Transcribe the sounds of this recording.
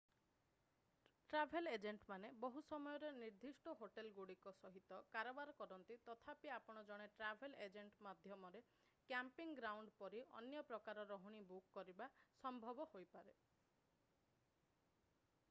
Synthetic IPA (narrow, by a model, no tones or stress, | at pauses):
ʈɾabʱeled͡ʒeɳʈmanebɔɦusɔmɔjɔɾeniɾd̪ʱisʈɔɦoʈelɡuɽikɔsɔɦit̪ɔkaɾɔbaɾɔkɔɾɔnt̪it̪ɔt̪ʰapiapɔɽ̃ɔd͡ʒɔɽ̃eʈɾabʱeled͡ʒeɳʈmad̪ʱjɔmɔɾe | kjampiŋɡɾawɳɖpɔɾiɔ̰njɔpɾɔkaɾɔɾɔɦuɽ̃ibukːɔɾibasɔmbʱɔbɔhojpaɾe